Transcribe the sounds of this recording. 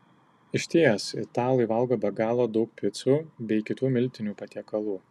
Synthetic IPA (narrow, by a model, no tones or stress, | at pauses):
ɪʃʲt̪ʲiːjɛsɪt̪ɑːlˠɐɪʋɐlˠɡoːbʲɐɡɑːlˠoːd̪ɒʊk̚pʲɪt̪subʲɛɪkʲɪt̪uːmʲɪlʲt̪ʲɪnʲuːpɐt̪ʲiɛkɐlˠuː